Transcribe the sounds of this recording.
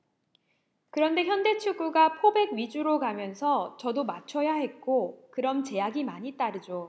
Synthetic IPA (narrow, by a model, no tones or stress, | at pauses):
kɯɾʌnde̞çjʌnde̞t͡ɕʰuɡuɡapʰobe̞ɡɥid͡ʑuɾokamjʌnsʰʌt͡ɕʌdomat͡ɕʰʌjaɦe̞t̚k͈okɯɾʌmt͡ɕe̞jaɡimaɲit͈aɾɯd͡ʑo